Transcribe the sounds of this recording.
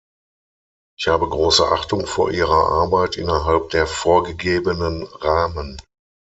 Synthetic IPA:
ʔɪʔɪçhaːbəɡʁoːsəʔaχtʊŋfoːɐʔiːʁɐʔa̰ɐbaɪtʔɪ̰nɐɦalp̚d̥eːɐfoːɐɡəɡeːbənənʁaːmən

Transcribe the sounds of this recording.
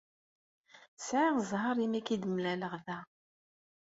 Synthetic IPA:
sʕiʁzˤɦɑɾˤimækid̪əmlæləʁðæ

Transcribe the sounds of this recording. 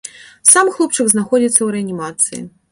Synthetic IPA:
samxlˠup̚t͡ʂɨɡznaxɔd͡zʲit̪sːɐwɾɛanʲimat̪sɨjḭ

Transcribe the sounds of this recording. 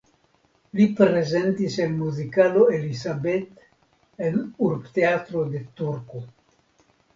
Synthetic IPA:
lipɾezent̪iselmuzikaloelisabet̪ | enuɾpt̪eat̪ɾod̪et̪uɾko

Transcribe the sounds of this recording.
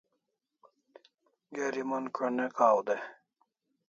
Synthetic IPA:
ɡeɾimɐnkʰenekaːwd̪e

